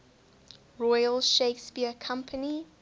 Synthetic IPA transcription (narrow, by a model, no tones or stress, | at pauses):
ɹɔɪjəlʃeɪkspiəkʰãmpʰəni